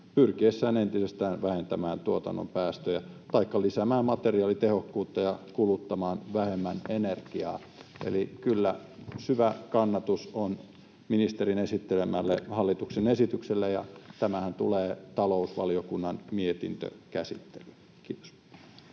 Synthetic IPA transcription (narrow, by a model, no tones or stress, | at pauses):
pyrkiesːæːnent̪isest̪æːnʋæhent̪æmæːnt̪uot̪ɑ̰nːo̰mpæːst̪øjæt̪ɑikːɑlisæmæːmmɑt̪eriɑːlit̪ehokːuːt̪ːɑjɑkulut̪ːɑmɑːnʋæhemːænenerkiɑ̰ː | ḛlikylːæsyʋækɑnːɑt̪uson | minist̪eɾinesit̪ːelemælːehɑlːit̪uksenesit̪ykselːejɑ̰t̪æmæhænt̪uleːt̪ɑlousʋɑ̰liokunːɑnmiet̪ḭnt̪ø̰kæsḭt̪ːe̥lylː | kiːt̪o̥s